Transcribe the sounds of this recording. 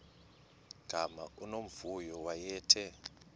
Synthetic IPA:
ɡ̥ʱama̰ʔunom̩vujɔwajɛːtʰɛ

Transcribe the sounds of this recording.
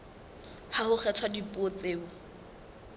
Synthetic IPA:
hahʊχɛtʰwadipʼot͡seːbʊ

